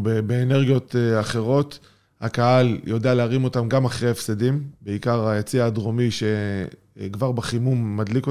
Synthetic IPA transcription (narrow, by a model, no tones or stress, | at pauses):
bebeːne̞ʁɡijo̞teaχe̞ʁo̞t̪ | hakahaljo̞dealeaʁimo̞tamɡamaχʁejefsedimbeikaʁajat͡siaːdʁo̞miʃe̞ | kvaʁbaχimumːadliko